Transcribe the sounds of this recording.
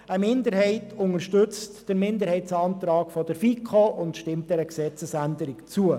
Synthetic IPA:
əmɪndəɾɦɛɪtʰʊŋəɾʃtɵt͡std̥əɾmɪndəɾhɛɪtsɑːnt̪ɾɑːɡfɔd̥əɾfikʰχoʔʊntʃtɪmt̚dɛɾəksɛt͡səsændəɾɪkt͡suə

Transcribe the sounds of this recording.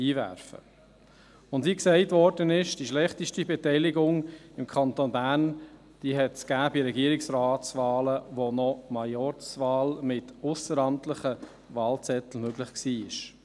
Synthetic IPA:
iːvæ̰ɾfə̰ | ʊndiːksɛɪtvɔɾdənɪʃd̥iʃlɛχt̪iʃtibɛtɛɪlɪɡʊŋɪmkʰɑnt̪onbæːrn | d̥iːɦɛtskæːbiɾɛɡiəɾɪksɾaːtt͡svɑːləʋonɔmɑjɔɾt͡sʋɑːlmɪtʊsəɾɑmtləχə | ʋɑːlt͡sɛt̪l̩møɡlɪχksiːɪʃ

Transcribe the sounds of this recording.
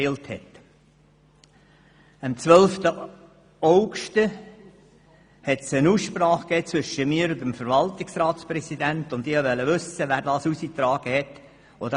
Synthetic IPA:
ɪlthɛ̰t̪ | əmt͡sʋœlft̪ə | ɔʊɡʃtə | hɛtsənuːsʃpɾɑːχkɛːt͡sʋʏʃəmiːɾʊnd̪əmfəɾʋɑltɪksrɑːt̪spɾɛsid̪ænt̪ʊnd̪ɪːhɑʋɛlːəʋʏsəʋæːɾdɑːsusit̪ɾɑːɡ̥əhɛt̪ | ɔd̪ə

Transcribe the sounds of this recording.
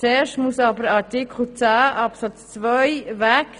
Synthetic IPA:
t͡seːɾʃtmusɑbəɾɑtɪkχl̩t͡sæːʔɑpsɑt͡st͡svœʏvæk

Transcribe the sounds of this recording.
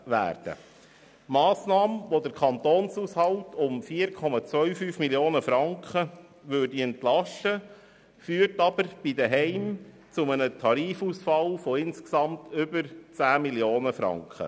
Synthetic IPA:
ʋæ̰ːɾd̥ə̰ | mɑːsnɑːməʋod̪əɾkʰɑnt̪oːnsuːshɑwtʰʊmfiːəɾkʰɔmɑt͡sʋœɥfyːfmiljoːnəfɾɑŋkχə | ʋøːdiɛntlɑʃtə | fyːɾtɑbəɾb̥id̪əɦɛɪm | t͡sʊmənətʰɑɾiːfuːsfɑlfɔɪnsksɑmtʰʏbəɾt͡sæːmiljoːnəfɾɑ̰ŋkχə̰

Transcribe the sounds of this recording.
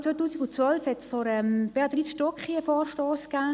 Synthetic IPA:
t͡sʋojt̪uːsiɡʊnt͡sʋœlfhɛtsfɔɾɛmb̥ɛːad̥̪ɾiːsʃtɔkχiəfɔːrʃtɔːskaː

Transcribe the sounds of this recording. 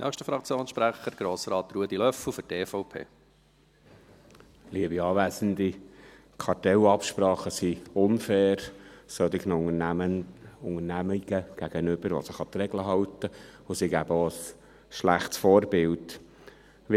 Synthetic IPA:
nʔœːχʃtəfɾɑkt͡sjoːnsʃpɾæχəɾɡ̥ɾoːsɾɑːt̪ɾuəd̪ilœfl̩fʏɾteːfɔʊpʰḛː | liəbiɑːʋæːzənd̪i | kʰɑrtɛlɑpʃpɾɑːχəsiʊnfɛːɾsɔt̪ɪɡnʊŋənəʊŋəɾnæmiɡ̥əɡ̥æɡ̥ənʏb̥əɾʋo̰səχɑt̪ɾɛɡləɦɑwtəʊsiɡæbəoəs | ʃlæχtsfoːɾbɪlt

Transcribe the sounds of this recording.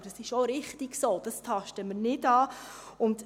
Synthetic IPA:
d̥ɑsɪʃoɾɪχtiɡsoːd̥ɑstʰɑʃtəməɾnɪdɑːʊnd

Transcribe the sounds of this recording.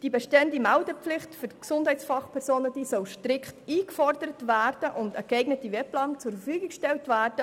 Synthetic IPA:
d̥ibeʃtɛndimæʊdəpflɪχtfyksʊndhɛɪt͡ssfɑχpʰɛɾsoːnəd̥iːsɔlʃtɾɪkχtiːkfɔrdəɾətvæːrd̥əʔʊndəkɛɪɡnətiʋɛplɑːnt͡sʊɾfəfyːɡɪkʃtɛltvæːrd̥ə

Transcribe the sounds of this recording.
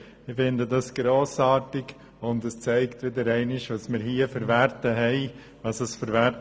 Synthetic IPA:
ɪfɪndədɑsɡ̥ɾoːsɑːɾtɪɡ | ʊndɛst͡sɛɪktʋɪdəɾɛɪnɪʃʋɑsmɪɾhiəfəɾvɛɾtəɦɛɪ | ʋɑsəsfəɾʋæt

